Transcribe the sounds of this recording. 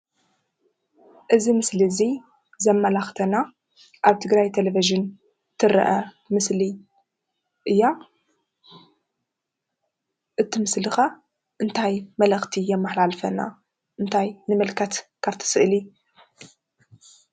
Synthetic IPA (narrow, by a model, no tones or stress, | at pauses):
ʔɨzimɨslizi | zɐmːɐlaxt̪ʰɐna | ʔaβt̪ʰɨɡɾajt̪ʰeleviʒɨn | t̪ʰɨɾɐ̰ʔɐ | mɨsli | ʔɨjːa | ʔɨt̪ʰːɨmɨslɨxa | ʔɨnt̪ʰajmɐlɐxt̪ʰijɛmːɨħlalfɐna̰ | ʔɨnt̪ʰajnɨmɨlkʰɐt̪kʰaβt̪ʰɨ̥sɨʔɨli